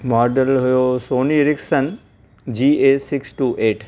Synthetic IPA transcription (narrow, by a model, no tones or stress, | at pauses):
mɔːɾɖəlɦʊjoːsoːniɾɪksən | d͡ʑiːeːsɪksʈuːʔeːʈʰ